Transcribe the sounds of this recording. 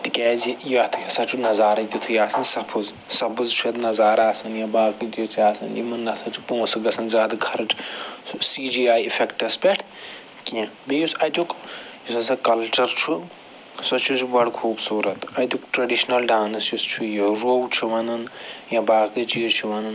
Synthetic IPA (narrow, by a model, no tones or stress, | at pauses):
t̪ikɛːzijot̪ʰkɐsɐt͡ʃʰunɐzaːɾɐt̪it̪ʰujaːsɐnsɐpʰɨz | sɐbɨzt͡ʃʰujɐt̪nɐzaːɾaːsɐnjɐ̃baːkit͡ʃ̪it͡ʃʰaːsɐnjimɐnːɐsɐt͡ʃʰupõːsɡɐsɐnzaːd̪ɨɡʰɐɾɐʈʰsiːd͡ʒiːaːjifʰekʈɐspeʈʰ | kĩbejusɐjt̪ukjisɐsɐkɐlt͡ʃɐɾt͡ʃʰu | sɐt͡ʃʰut͡ʃbɐɽkʰuːbsuːɾɐt̪ɐt̪ʲjukʈɾɐɖiʃnɐlɖaːnɐsist͡ʃʰujoɾoːwt͡ʃʰuʋɐnɐnjãbaːkɨt͡ʃit͡ʃʰuʋɐnɐn